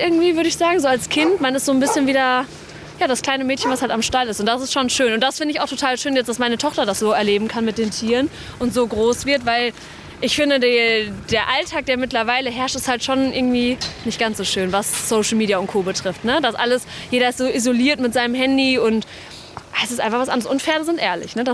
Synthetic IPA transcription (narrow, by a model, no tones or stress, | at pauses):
ʔɪɐɡŋ̩tv̥iːvʏɐɾəɪçz̥aːɡŋ̩zoːalskʰɪntmanɪstz̥oːnbɪsçənviːdɐ | jaːɾaskl̥aɪnəmɛːtçən̩vashaltamʃtalɪstʊntd̥asɪstʃonʃøːnʊntd̥asfɪndəɪçaʊxtʰotʰaːlʃøːnjɛt͡std̥asmaɪnətʰɔχtɐdasz̥oːɛɐleːbm̩kʰanmɪt̚d̥eːntʰiːʁən | ʔʊntz̥oːɡʁoːsv̥ɪɐtvaɪl | ʔɪçfɪndədid̥eːɐʔaltʰaːk̚d̥eːɐmɪtlɐvaɪləɦɛɐʃtɛsthaltʃoːnʔɪɐɡŋ̩tv̥iːnɪçt̚ɡ̥ant͡sz̥oːʃøːnvasːoʊʃl̩miːdiaʊntkʰoːbətʁ̥ɪftnəd̥asʔaləsjeːɾɐɪstz̥oːʔizoliːɐtmɪtz̥aɪnəmɦɛndiʊntː | sɪstʔaɪnfaχxv̥asʔa̰ndəʁəsʊntfɛɐnəzɪntʔeːɐlɪ̰çnəda